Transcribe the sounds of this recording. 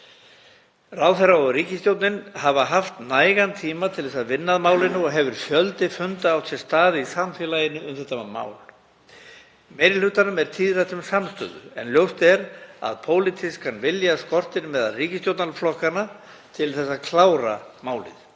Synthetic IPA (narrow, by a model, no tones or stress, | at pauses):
raːwθɛrːaɔɣriːcɪst̪jowt̪nɪnhavaɦaft̪naːjɣant̪ʰiːmat̪ʰɪlθɛsaðvɪnːaðmaːwlɪnːʏɔɣɦɛvʏɾ̥fjœlt̪ɪfʏnt̪aːwsʰɛ̥st̪aːðɪisamfɛlajɪnːʏʏmθɛht̪ːama̰ːwl | mɛːjɾɪlhʏːt̪anʏmɛɾ̥t̪ʰiːðrajt̪ʏmsamst̪œ̰ːðʏ̰ɛ̰nljowst̪ɛɾa̰ðpʰoːwlɪt̪ʰɪskʰanvɪljaskɔr̥t̪ɪɾmɛða̰lriːcɪst̪jowt̪nalflɔhkana | t̪ʰɪlθɛs̬ːaðkʰlawɾa̰maːwlɪ̰ð